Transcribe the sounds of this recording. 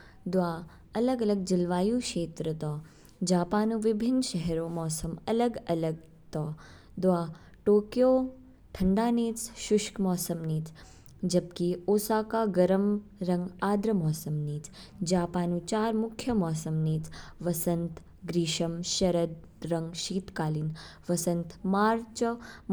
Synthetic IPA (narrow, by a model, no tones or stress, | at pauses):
d̪ʋaː | ɐləɡɐləɡ̚d͡ʒɪlʋaːjuːkʃeːt̪ɾɐt̪ɔː | d͡ʒaːpaːnũʋɪbʱɪnːʃɛɦɾoːmɔːsɐmɐləɡɐləɡ̚ | t̪ɔː | d̪ʋaː | ʈoːkjoː | ʈʰɐɳɖaːniːt͡sʃʊʃkmɔːsɐmniːt̪ʰ | d͡ʒɐb̚kioːsaːkaɡɐɾəmɾɐ̃ŋɡaːd̪ɾɐmɔːsɐmniːt͡s | d͡ʒaːpaːnũt͡ʃaːɾmʊkʰjɐmɔːsɐmniːt͡sʋɐsɐnt̪ʰ | ɡɾiːʃɐmʃɐɾəd̪ | ɾɐŋɡʃiːt̪kaːlinʋɐsɐ̃nt̪ʰmaːɾt͡ʃ